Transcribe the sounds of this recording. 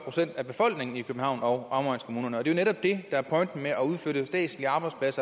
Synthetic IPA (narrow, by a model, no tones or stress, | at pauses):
pʰʁosen̰d̥æb̥e̝fɒ̽l̰ɡ̥ne̝ŋn̩ikʰøb̥m̩hɑ̈ʊ̰nɒ̽ʊɑ̈mʁɑ̰nskʰomuːnɐnəɒ̽d̥e̝jo̝neɾɒ̽b̥d̥e̝d̥ɑ̈æɐpʰɒ̽ɪnd̥n̩meʔæuð̞ˠføɐɾ̥əsd̥ɛ̰̥ːsliɑ̈ːb̥ɑ̈ɪd̥spʰlæsɐ